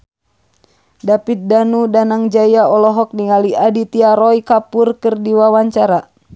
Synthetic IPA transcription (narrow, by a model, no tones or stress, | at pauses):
dapit̪̚danudanaŋd͡ʒajaɔlɔɦɔk̚niŋaliadit̪iaɾɔikapurkɨrdiwawaɲt͡ʃaɾa